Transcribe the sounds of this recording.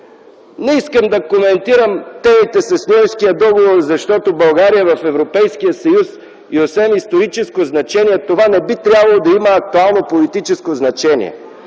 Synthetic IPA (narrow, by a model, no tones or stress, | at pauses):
nɛiskəmd̪ɐkomɛnt̪iɾəmt̪ɛmit̪ɛsɐsnʲɔjskijəd̪ɔɡovoɾzɐʃt̪ɔt̪obɐlˠɡaɾijəvɐfɛvɾopɛjskijəsɐjus | iosvɛmist̪oɾit͡ʃɛskoznɐt͡ʃɛniɛt̪ovanɛbit̪ɾʲjabɐlˠod̪ɐiməːk̚t̪ualˠnopolit̪it͡ʃɛskoznɐt͡ʃɛnḭɛ̰